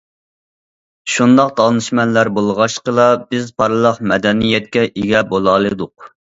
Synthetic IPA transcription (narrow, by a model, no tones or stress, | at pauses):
ʃund̪ɑqd̪ɑnɨʃmɛnlæɾbolˠʁɑʃqəlˠɑbɪzpʰɑɾɨlˠɑqmɛd̪ɛnijɛt̪̚kʲɛʔiɡʲɛbolˠɑlˠɨd̪ʊq